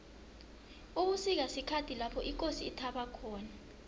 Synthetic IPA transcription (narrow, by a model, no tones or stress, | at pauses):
uɓusik̬asikʰatʰilapʰɔʔik̬ʼosiːtʰaɓakʰɔːna